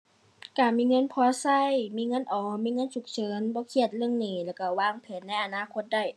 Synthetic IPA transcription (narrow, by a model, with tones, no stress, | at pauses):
kaː˧˩miː˧˥˨ŋɤ˧˥˨npʰɔː˧˥sa˧˩˨jmiː˧˥˨ŋɤ˧˥˨nʔɔː˨˩miː˧˥˨ŋɤ˧˥˨nt͡ɕʰu˨˧˩k̚t͡ɕʰɤː˨˦nbɔː˧˦kʰi˧˩ə˨t̪̚lɯ˧ə˨ŋniː˧˩lɛː˧˩ka˧˩waː˧˩˨ŋpʰe˨˦nːa˧˥jʔa˧naː˧˥˨kʰo˧t̪̚da˧˩j